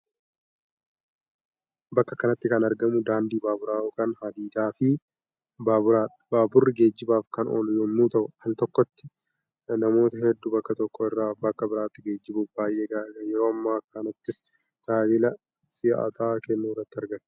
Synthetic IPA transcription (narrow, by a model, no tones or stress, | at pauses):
bɐkːɐkːɐnɐt̪ːɪkɐnɐɾɡɐmʊd̪aːnd̪iːbaːbʊɾaːɔkɐnhɐd̪iːt̪aːfɪ | baːbʊɾaː | baːbʊrːɪɡe̞ːd͡ʒːɪbaːfkɐnɔ̰ljɔmːuːt̪ɐʔʊhɐlt̪ɔkːɔt̪ːɪ | nɐmo̞ːt̪ɐɦɛd̪ːubɐkːɐt̪ɔkːɔɪrːaːbɐkːɐbɪɾaːt̪ːɪɡe̞ːd͡ʒːɪbʊfbaːjʔeːɡaːjɛɾo̞ːmːaːkːɐnɐt̪ːɪs | t̪aːlɪlɐ | sɪa̰t̪ʰaːkɛnːuːrːɐt̪ːɪɐɾɡɐnː